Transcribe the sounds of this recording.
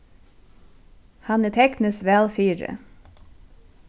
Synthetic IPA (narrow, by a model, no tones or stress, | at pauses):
hɑnæːt̪ʰɛknəsʋælfyːɾə̰